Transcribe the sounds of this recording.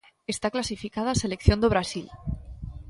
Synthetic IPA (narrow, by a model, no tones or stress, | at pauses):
e̞st̪aklasifikað̞ase̞le̞kθjo̞nd̪oβ̞ɾasil